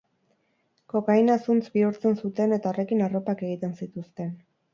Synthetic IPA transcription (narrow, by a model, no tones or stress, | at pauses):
ko̞kajnasunt͡sbiuɾt͡se̞nsut̪e̞ne̞t̪ao̞re̞kinaro̞pake̞ɣ̞it̪e̞nsit̪ust̪e̞n